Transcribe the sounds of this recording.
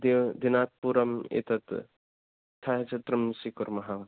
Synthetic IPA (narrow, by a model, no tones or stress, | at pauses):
d̪d̪inaːt̪̚puɾɐmḛt̪ɐt̪ | t̪ʰaɦet͡ʃʰɐt̪ɾɐmsikuɾmɐɦaʋ